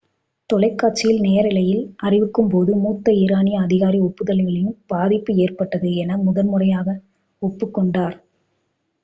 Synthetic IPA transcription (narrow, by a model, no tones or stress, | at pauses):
t̪ɔlɐɪkːaːʈt͡ʃːɪjɪlnejɐɾɪlɐjɪlʔɐrɪʋɯkːɯmpoːðɯmuːt̪ːɐɪɾaːnɪjɐːðɪɣaːɾiɔpːɯðɐlɐɪɣɐɭɪjɯmb̥aːðɪpːɯeːrpɐʈːɐðɯɛnɐmʊðɐnmɯrɐjaːɣɐ | ɔpːɯkːɔɳɖaːɾ